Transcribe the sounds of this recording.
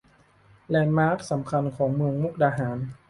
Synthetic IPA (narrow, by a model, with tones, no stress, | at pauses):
lɛː˧˩nmaː˦˥k̚sa˩˦mkʰa˧nkʰɔː˩˦ŋmɯ˧əŋmu˥˩k̚daː˧ɦaː˩˦n